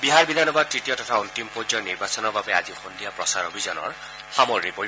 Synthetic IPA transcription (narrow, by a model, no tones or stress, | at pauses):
biɦaɹbid̪ʱanɔbad̪̚tɹitijɔtɔt̪ʰaunt̪impod͡ʒɔniɹbasɔnɔɹbabea̰zixund̪ijapɹɔsaɹobʱizɔnɔ̰ɹ | xamoɹnipoi